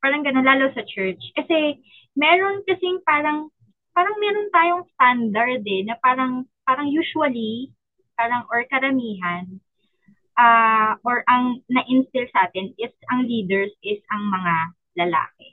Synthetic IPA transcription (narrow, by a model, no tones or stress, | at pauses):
paːɾɐŋɡɐnonlaːlowsɐt͡ʃɛɹt͡ʃkɐsɛ | mɛːɾo̞nkɐsɪŋpaːɾɐŋ | paːɾɐŋmɛːɾont̪aːjoŋst̪and̪ɐɹd̪ɛnɐpaːɾɐŋpaːɾɐŋjuːʃuɐli | paːɾɐŋʔoɹkɐɾɐmiːɦɐn | ʔaːʔoɹʔɐŋnɐʔɪnst̪ɪlsɐʔaːt̪ɪnʔɪsʔɐŋliːd̪ɛɹsʔɪsɐŋmɐŋa | lɐla̰ːkɛ